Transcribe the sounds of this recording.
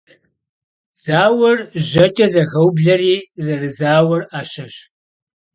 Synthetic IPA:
z̥aːwɐrʑɐt͡ʃʼɐzɐɣɐwbɮɐriːzɐrɨzaːwɐraːʃɐɕ

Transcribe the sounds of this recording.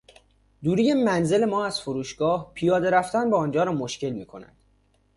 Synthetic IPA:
d̪uːɾiːjemænze̞le̞mɒːæz̥foɾuːʃɡ̥ɒːhpʰijɒːd̪e̞ɾæft̪ænbɒːnd͡ʒɒːɾɒːmoʃce̞lmiːkʰo̞næ̰d̪̥

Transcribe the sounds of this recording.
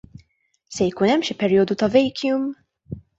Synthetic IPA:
sɛjkuːnɛmːʃipɛɾjɔːd̪ut̪ɐvɛjkʰjum

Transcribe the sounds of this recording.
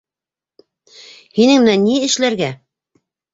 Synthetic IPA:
hinɘŋmɘ̆nænːiɘ̆ʃlæɾɡæ

